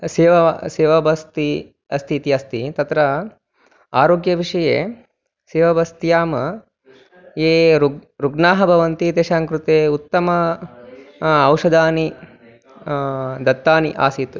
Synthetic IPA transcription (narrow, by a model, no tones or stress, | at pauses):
seːʋɐseːʋɐbɐst̪i | ɐst̪ʰit̪iɐst̪ʰit̪ɐt̪ɾɐ | aːɾoːɡjɐʋiʂɐjeː | seːʋɐbɐst̪jaːmɐ | eːɾuɾuɡnaːɦɐbʱɐʋɐnt̪it̪eːʃaːŋkɾut̪eːut̪ːɐmɐ | wʂɐd̪aːni | d̪ɐt̪ːaːniʔa̰ːsit̪